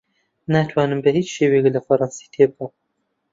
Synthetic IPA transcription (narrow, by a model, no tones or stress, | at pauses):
naːt̪ʰwaːnɨmbɛhiːt͡ʃʃeːweːklɐfɐɾˤɑnsi̥t̪ʰeːb̚ɡɐw